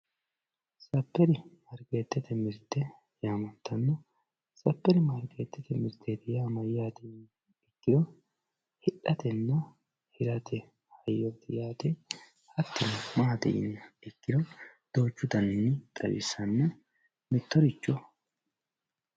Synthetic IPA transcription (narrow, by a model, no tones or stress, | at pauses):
sɐpːɛɾɪmɐɾɡeːt̪ːɛt̪ɛmɪɾt̪ːɛ | jaːmɐnt̪ʰːɐnːɔ | sɐpːɛɾɪmɐɾɡeːt̪ːɛt̪ɛmɪɾt̪ʰːet̪ɪjaːmɐjːaːt̪ɛn | ɪkːɪd̪ɔ | hɪᶑɐt̪ɛnːɐ | hɪɾɐt̪ʰɛ | hɐjːɔt̪ɪjaːt̪ɛ | hɐt̪ːɪnmaːt̪ɛ̰ʔɪ̰nːɐɪkːɪd̪ɔd̪̥oːt͡ʃːʊd̪ɐnɪnːɪt̪ʼɐ̰wɪ̰sːɐnːɐ | mɪt̪ːɔɾɪt͡ʃːɔ